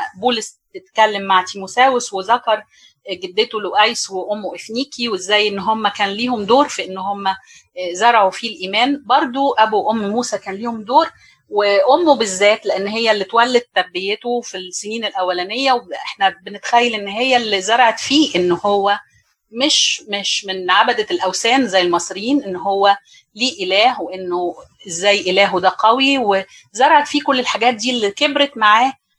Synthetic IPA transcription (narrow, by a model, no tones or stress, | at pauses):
buːles | t̪et̪kælːemːaʕt̪imusæːweswezɑkɑɾˤ | ɡed̪ːet̪oloʔæjsweʔomːoʔefniːkʰiwezːæːjʔenːɦomːækæːnliːhomd̪oːɾfiʔenːhomːæ | zɑɾˤɑʕufilʔiːmæːnbɑɾˤd̪ˤoʔæbuʔomːmuːsækæːnliːhomd̪oːɾ | weʔomːobezːæːt̪leʔenːɦejːælːit̪wælːed̪̚t̪ːæbːejːet̪ofilseniːnelʔæwːælænejːæweʔeħnæbenet̪xæjːælʔenːɦejːælːizɑɾˤʕɑt̪fiːʔenːhowːæ | meʃmeʃmenʕabæd̪ælʔæwsæːnzæjːelmɑsˤɾjiːnʔenːɦowːæ | liːʔelæːhweʔenːoezːæːjːʔelæːɦod̪æqæwiwe | zɑɾˤɑʕɑt̪fiːkolːelħaɡæːt̪̚d̪iːlːikebɾet̪maʕaːh